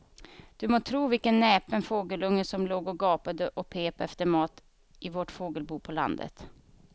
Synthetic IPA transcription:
d̪̥ɵmoːt̪ʰɾuːvɪlkənːɛːpənfoːɡəlɵŋːəsɔmloːɡɔɡɑːpad̪əʔɔpʰeːpaɛft̪əmɑːt̪ | ʔɪvoːʈfoːɡəlbuːpʰɔla̰nd̪ə̰t̪

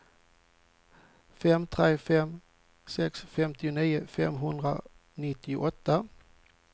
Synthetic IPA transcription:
fɛmt̪ʰɾeːfɛm | sɛksfɛmt̪ɪʊniːʊfɛmɦɵnd̪ɾa̰ | nɪt̪ːɪʊʔɔt̪ːa

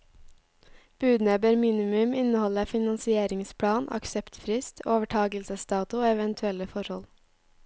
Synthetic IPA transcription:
b̥ʉːd̪neːbəɾmiːnɪmʉmɪnəhɔləfɪnɑnsɪeːɾɪŋspʰɽɑːnʔɑ̰ksɛpt̪fɾɪst̪ʰoːʋəʈʰɑːɡəlsəst̪ɑːt̪ʊoːɛʋənt̪ʰʉɛləfɔɾhɔ̰l

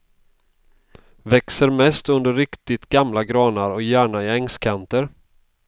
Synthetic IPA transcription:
vɛksəɾmɛst̪ɵnd̪əɾːɪkt̪ɪt̪ɡamlaɡɾɑːnaɾɔkjæːɳaɪɛŋskʰant̪əɾ

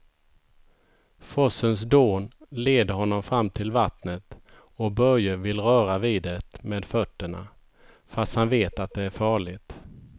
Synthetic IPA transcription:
fɔsəns̬d̪oːnleːd̪əɦɔnːɔmfɾamːt̪ʰɪlvat̪nət̪ | ɔbœɾjəvɪlɾœːɾaviːd̪ɛt̪meːd̪fœt̪ːəɳa̰ | fast̪hanveːt̪at̪̚d̪ɛæɾfɑːɭɪt̪

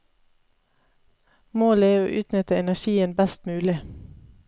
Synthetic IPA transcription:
moːləeːo̰ːʔʉːt̪nʏt̪əɛnæʃiːənbɛst̪mʉːlɪ

